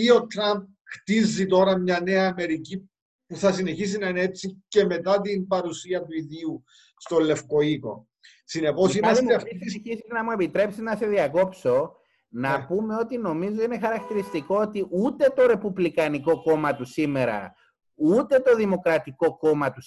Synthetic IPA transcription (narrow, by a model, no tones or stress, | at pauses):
iot̪ɾɐmp̚xt̪izːit̪o̞ɾɐmɲɐne̞ɐːme̞ɾici | puθɐsine̞çis̬inɐineet͡sːice̞me̞t̪ɐt̪inpɐɾusiɐt̪uiðiu | st̪o̞lːe̞fko̞iko̞̰ | sinepo̞simɐst̪eɐfiisisiznɐmue̞pit̪ɾe̞psiznɐse̞ðiɐko̞pso̞ | nɐpume̞o̞t̪ino̞mizo̞ine̞xɐɾɐk̚t̪iɾist̪iko̞ot̪iʔut̪e̞t̪o̞ɾe̞puvlikɐniko̞ko̞mɐt̪usime̞ɾɐ̰ | ut̪e̞t̪o̞ðimo̞kɾɐt̪iko̞ko̞mɐt̪us